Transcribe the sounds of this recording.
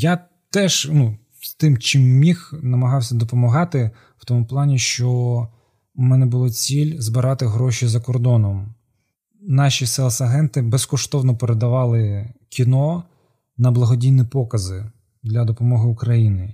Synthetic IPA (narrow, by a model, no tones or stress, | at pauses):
ja | t̪ɛʒnu | st̪ɪmt͡ʃɪmːʲixnɐmɐɦɑwsʲɐd̪ɔpɔmɐɦɑt̪ɪ | w̥t̪ɔmʊplˠɑnʲiʃt͡ʃɔ | mɛnɛbʊlˠɔt͡sʲilʲzbɪɾɑt̪ɪɦɾɔʃizɐkɔrd̪ɔnɔm | nɑʃʲisɛlˠsɐɦɛnt̪ɪbɛskɔʃt̪ɔwnɔpeɾed̪ɐʋɑlˠɪkʲinɔ | nɐblˠɐɦɔdʲijnipɔkɐzɪ | d̪lʲɐd̪ɔpɔmɔɦɪʊkɾɐjinɪ